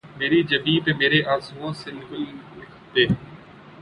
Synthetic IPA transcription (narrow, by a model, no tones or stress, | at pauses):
meːɾid͡ʒəbiːpemeːɾeʔaːzuõːsɪnɡəlɪkʰt̪eː